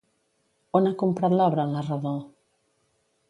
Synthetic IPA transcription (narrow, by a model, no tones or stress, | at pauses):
onakumpɾat̪lɔβɾaənlaraðo